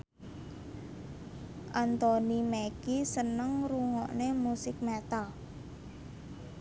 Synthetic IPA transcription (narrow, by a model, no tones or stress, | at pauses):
ʔant̪ɔnimekisənəŋɾuŋɔʔnemusɪk̚met̪a